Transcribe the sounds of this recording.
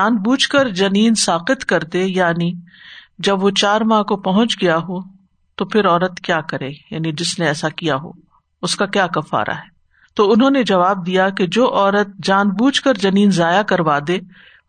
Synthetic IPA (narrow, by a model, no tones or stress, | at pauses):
aːnbuːd͡ʒkəɾd͡ʒɐniːnsaːqɪt̪kɐɾd̪ejaːni | d͡ʒɐbʋot͡ʃaːɾmãːkopɐɦʊ̃nt͡ʃɡɐjaɦo | t̪opʰɪɾɔːɾət̪kjaːkɐɾẽːja̰ːnid͡ʒɪsneɛːsakijaɦo̰ː | ʊskakjaːkɐfːa̰ːɾʔa̰ɦɛː | t̪oːʊnɦõːned͡ʒɐʋaːb̚d̪ijaked͡ʒoːʔɔːɾət̪̚d͡ʒaːnbuːt͡ʃkəɾd͡ʒɐniːnzaːjakɐɾʋaːd̪eː